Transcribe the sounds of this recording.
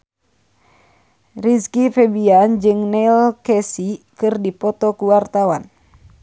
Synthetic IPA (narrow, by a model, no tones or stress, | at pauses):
riskifɛbiand͡ʒɨŋnɛlkɛsikɨrdipɔt̪ɔkuwart̪awan